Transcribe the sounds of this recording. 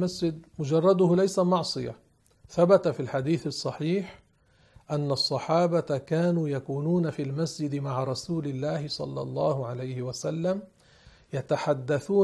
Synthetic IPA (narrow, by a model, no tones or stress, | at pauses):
masd͡ʒɪd̪̚mʊd͡ʒɑrˤːɑd̪ʊhlajsamɑʕsˤɨja̰ | θabat̪afilħad̪iːθɑsˤːɑħiːħ | ʔanːɑsˤːɑħɑːbakaːnuːjakuːnuːnafilmasd͡ʒɪd̪maʕaɾˤɑsuːlɪlːaːhɪsˤɑ̰lːɑ̰lˤːɑːhʊʕalajhɪwasalːam | jat̪aħad̪ːaθuː